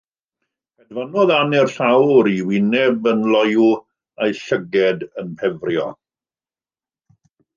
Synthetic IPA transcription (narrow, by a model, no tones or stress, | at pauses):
ɛdvanɔðanɛrɬawɾiwɪnɛbənlɔju | ajɬəɡɛdənpʰɛvrjɔ